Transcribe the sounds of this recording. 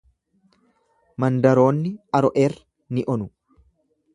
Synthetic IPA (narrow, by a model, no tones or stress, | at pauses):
mɐnd̪ɐɾo̞ːnːɪɐɾɔʔeːrɐ | nɪʔɔnʊ